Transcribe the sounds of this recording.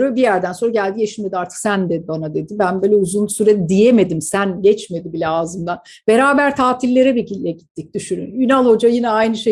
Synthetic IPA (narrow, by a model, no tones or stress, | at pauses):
ɾøbijæɾd̪ænso̞nɾaɟælʲd̪ijeʃinme̞d̪iaɾt̪ʰɯ̥ksænd̪ɛbanad̪e̞d̪ibænbøːlʲɛuzunsyɾɛd̪ijeme̞d̪imsænɟɛt͡ʃme̞d̪ibilʲɛaːzɯmd̪an | be̞ɾaːbæɾt̪ʰaːt̪ʰilʲːe̞ɾɛbicilʲːɛɟit̪ʰːic̚d̪̥yʃyny̰njynalˠho̞d͡ʒajinɛajnɯʃe